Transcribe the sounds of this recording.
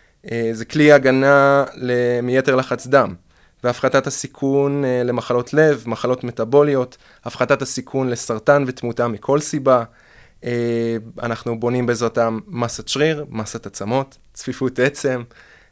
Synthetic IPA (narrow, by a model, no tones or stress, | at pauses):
ezekliaɡanalemije̞teʁlaχat͡sd̪am | veafχatathasikʰunle̞maχalo̞tʰle̞vmaχalo̞tme̞tabo̞lio̞t | afχatathasikʰunle̞saʁtanve̞tmutamikʰo̞lsiba | ea̰naχnubo̞nimbezʁatamːasat͡ʃʁiʁmasatat͡samo̞tːfifute̞t͡se̞m